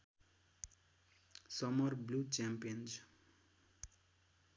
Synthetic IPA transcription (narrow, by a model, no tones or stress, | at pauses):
sʌmʌrblut͡ʃampijʌnd͡ʒ